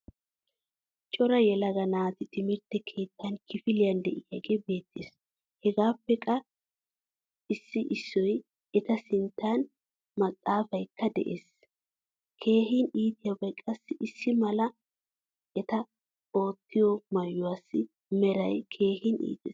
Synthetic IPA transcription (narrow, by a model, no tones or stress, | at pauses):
t͡ʃʼɔɾɐjɛlɐɡɐnaːt̪ɪt̪ɪmɪɾt̪ːɛkʰe̞ːt̪ːɐnkʰɪfɪlɪjɐnd̪ɛʔɪjɐɡebe̞ːt̪ːḛːs | hɛɡaːpːɛkʼɐ | ɪsːɪʔɪsːɔj | ɛt̪ɐsɪnt̪ːaːn | mɐkʼːaːfɐjkːɐd̪ɛ̰ʔeːs | kʰe̞ːhɪniːt̪ʼɪjɐbɐjkʼɐsːɪʔɪsːɪmɐlɐ | ʔɛt̪ɐ | o̞ːt̪ːɪjɔmɐjːʊwaːsːɪ | mɛɾɐjkʰe̞ːhɪnḭːt̪ʼɛːs